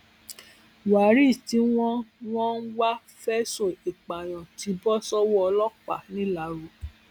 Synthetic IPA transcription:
wa˨˦ɾi˦˨ti˧˦w̃ɔ̃˦w̃ɔ̃˦n̩˦wa˦ | fɛ˦so˦˨i˨k͡pa˨j̃ɔ̃˨ti˧˦bɔ˦sɔ˦wɔ˦ɔ˧lɔ˦k͡pa˦˨nĩ˨˦la˨˦ɾu˨˦

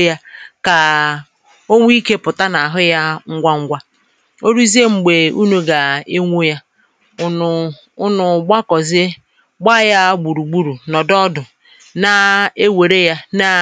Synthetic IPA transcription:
ja˦ka˨ | o˦ŋʷ˦i˦ke˦pʊ˨ta˦na˨ɦʊ˦ja˦ŋ̩˦ɡʷa˦ŋ̩˦ɡʷa˦ | o˦ɾu˦i˦zi˦e˦ŋ͡m̩˨ɡ͡be˨ṵ˦no˦ɡa˨e˦ŋʷo˦ja˦ | ʊ˦nʊ˨ɡ͡ba˦kɔ˨zɪ˦ | ɡ͡ba˦˨ja˦ɡ͡bu˨ɾu˨ɡ͡bu˦ɾu˨nɔ˨dɔ˦dʊ˨ | na˨e˦we˨ɾe˦ja˦na˦

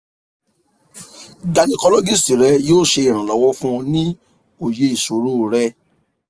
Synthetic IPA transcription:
ɡa˧nĩ˦kɔ˧lɔ˦ɡi˦˨sti˨ɾɛ˨˦joː˦˨ʃe˧i˨ɾ̃ã˨lɔ˨˦wɔ˦fũ˦ɔ̃˧nĩ˦ | o˨je˨˦i˨so˨˦ɾo˦˨ɾɛ˧

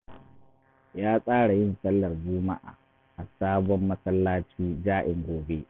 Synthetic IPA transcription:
jaː˦sʼaː˦ɽa˨jɪ˦˨nsɐ˦lːɐ˨rd͡ʒuː˦ma˦ʔa̰ː˨ | ʔa˨saː˦bɔ˦mːɐ˦sɐ˦lːaː˦t͡ʃiː˦d͡ʒaː˦ʔɪ˨ŋɡʷoː˨be˦

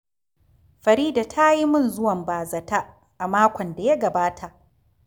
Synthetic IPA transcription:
ɸɐ˨ɾiː˦da˨tʰa˦ji˦mʊ˦˨nzʊ˦wɐ˨mbaː˨zɐ˨ta˦ | ʔa˨maː˦kʷɔ˨nda˨ja˦ɡɐ˨baː˦tʰa˨ʔ

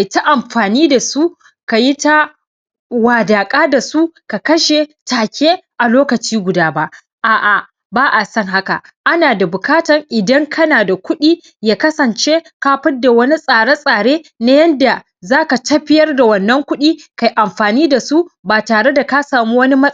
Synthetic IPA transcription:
a˨jta˦ʔa˨mɸaː˨niː˦da˨su˦ | ka˨ji˦ta˦ | waː˨daː˨kʼaː˦da˨su˦ka˨kɐ˦ʃe˨taː˨kʲeː˦ʔa˨loː˦kɐ˨t͡ʃiː˦ɡʷʊ˨daː˦ba˦ʔ | ʔaː˨ʔa˨ | baː˦ʔa˨sɐ˦ŋɦa˦ka˨ | ʔa˦naː˨da˨bʊ˨kaː˦tɐ˨ŋʔɪ˨dɐ˦ŋkʰɐ˦naː˨da˨kʷʊ˦ɗiː˦ | jaː˦kɐ˦sɐ˨nt͡ʃe˦kaː˦ɸɪ˦da˨wɐ˦ni˦sʼaː˨ɽa˦sʼaː˨ɽeː˦na˦jɐ˦nda˨ | zaː˦ka˨tɐ˦ɸɪ˦jɐ˦rda˨wɐ˨nːɐ˦ŋkʷʊ˦ɗiː˦ka˨jʔa˨mɸaː˨niː˦da˨su˦baː˨taː˨ɽe˦da˨ka˦saː˨muː˦wɐ˦ni˦mɐ˦

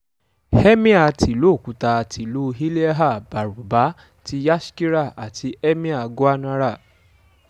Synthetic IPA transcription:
hɛ˦mĩ˦a˦˧˨tʰi˨lu˨˦˨kũ˨˦ta˧˨tʰi˨lu˦ɦi˦li˦ɛ˦ɦa˦˨ba˨ɾu˨ba˨˦ | ti˧ja˦ʃki˦ɾa˦˨a˨tʰi˧ɛ˦mĩ˦a˧˨ɡo˦a˦nã˦ɾa˦˨

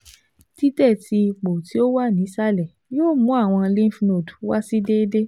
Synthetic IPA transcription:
ti˦tɛ˦˨tʰi˧k͡po˨ti˨˦o˦wa˦˨nĩ˨˦sa˦lɛ˨ | joː˦˨mũ˨˦a˦˨w̃ɔ̃˧lĩ˦fno˨dwa˦si˦de˦de˦

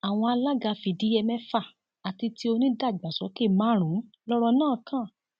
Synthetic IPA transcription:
a˨w̃ɔ̃˧a˧la˦ɡa˧fi˧˨di˨˦ɛ˧mɛ̃˦fa˦˨ | a˨ti˧ti˦o˧nĩ˦da˦˨ɡ͡ba˨sɔ˨˦ke˦˨mã˦˨ɾ̃ũ˨˦ | lɔ˦ɾɔ˧nãː˦˨˧kʰã˦˨

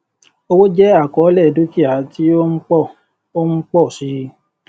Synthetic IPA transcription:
o˧wo˦d͡ʒɛ˦a˦˨kɔ˨˦lɛ˦˨du˦ki˦a˨ti˦o˦k͡pɔ˦˨ | o˦ŋ͡m̩˦k͡pɔ˦˨si˨˧˦

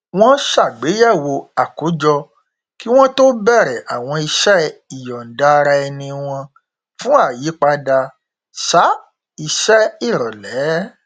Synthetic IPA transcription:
w̃ɔ̃˦ʃa˦˨ɡ͡be˨˦ja˦˨wo˧a˨ko˨˦d͡ʒɔ˧ | ki˦w̃ɔ̃˦to˦bɛ˦˨ɾɛ˨ʔa˨w̃ɔ̃˧i˧ʃɛ˦i˦˨jɔ˨n̩˨da˧ɾa˧ɛ˧nĩ˧w̃ɔ̃˧ | fũ˦a˦˨ji˨˦k͡pa˧da˧ | ʃa˦ | i˧ʃɛ˦i˦˨ɾɔ˨lɛ˨˦

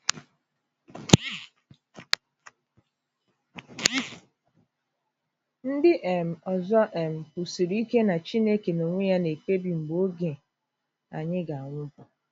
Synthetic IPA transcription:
n̩˦dɪ˦ʔe˨m̩˨ɔ˨zɔ˦ʔe˨m̩˨pu˨si˨ɾi˦ke˦na˨t͡ʃi˦ne˦ke˨no˨ŋʷe˦ja˦ne˨ke˦bi˨m̩˨ɡ͡bo˦ɡe˨ | a˨ɲɪ˦ɡa˨a˨ŋʷʊ˦bʊ˨

